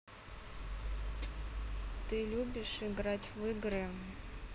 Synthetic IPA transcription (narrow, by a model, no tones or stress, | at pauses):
t̪ɨlʲubʲɪʂɨɡɾatʲvɨɡɾɨ